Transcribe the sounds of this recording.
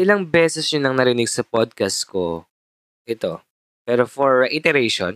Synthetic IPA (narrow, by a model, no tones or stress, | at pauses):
ʔɪlɐŋbɛːsɛsɲʊnɐŋnɐɾɪnɪɡsɐpod̪̚kɐst̪̚ko | ʔɛt̪o̞ | pɛːɾofɔɹːɛʔit̪ɛɾejʃo̰n